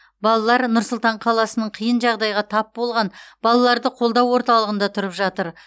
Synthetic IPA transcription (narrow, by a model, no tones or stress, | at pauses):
bɑlˠɑlˠɑɾnʊɾsʊlˠt̪ɑɴqʰɑlˠɑsənəɴqʰijənʒɑʁd̪ɑjʁɑt̪ʰɑp̚bo̞lˠʁɑnb̥ɑlˠɑlˠɑɾd̪əqʰo̞lˠd̪ɑwːo̞ɾt̪ɑlˠəʁənd̪ɑt̪ʰʊɾəpʒɑt̪əɾ